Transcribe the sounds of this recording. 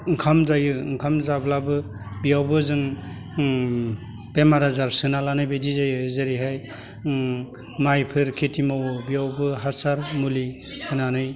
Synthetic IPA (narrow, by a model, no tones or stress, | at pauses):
ŋkʰamzajɯŋkʰamzablabɯ | bijawbɯzɯŋ | pemaɾazaɾsɯnalanɯjbedizajɯzeɾiɦaj | majpʰɯɾkʰitʰimawɯbijawbɯɦasaɾmuli | hɯnanɯj